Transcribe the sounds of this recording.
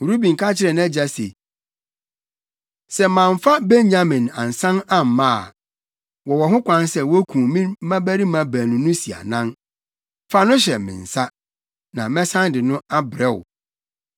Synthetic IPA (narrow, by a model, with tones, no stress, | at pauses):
u˨ɾu˦bĩ˨ŋ̩˨kʰa˦t͡ɕʰɪ˦ɾɛ˨nã˦d͡ʑa˦sḛ˨ | sɛ˦mã˨ɱ˨fa˦be˦ɲɲã˦mɪ̃˨nã˨n˨sã˦na˦m˨mã̰˦˨ | wɔ˨wɔ˨ɦʊ̃˦kʷã˦nsɛ˦wɔ˦kʰũ˨mĩ˦mã˦bæ˦ɾi˦mã˨bæ˨nʊ̃˨nʊ̃˦si˨a̰˨nã˦n | fa˦nʊ̃˦ɕɛ˨mɪ̰̃˨n̩˨sa˦ | nã˨mɛ̃˦sã˦ndɪ˨nʊ̃˦a˦bɾɛ˦wʊ̰˨